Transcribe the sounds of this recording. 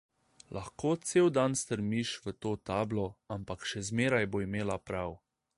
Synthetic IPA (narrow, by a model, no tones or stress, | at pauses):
lʔaxkoːt̪seːwd̪anst̪əɾmiʃʋət̪oːt̪aːblɔampakʃɛzmeːɾajboːimeːlapɾaw